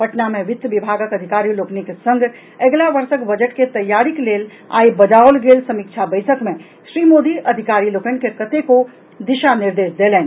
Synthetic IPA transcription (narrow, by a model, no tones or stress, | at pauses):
pɐʈnamẽʋɪt̪ːʋɪbʱaːɡəkɐd̪ʱɪkaːɾiloːknikesɐ̃ŋɡ | eɡlaʋɐɾsəkbɐd͡ʒəʈket̪ɐjːaːɾikleːl | a̰ːibɐd͡ʒaːolɡeːlsɐmikt͡ʃʰabəɪsəkmẽ | ʃɾiːmoːd̪iʔɐd̪ʱɪkaːɾiloːkənkekət̪eko | d̪ɪʃanɪɾd̪eːʃd̪eːleːn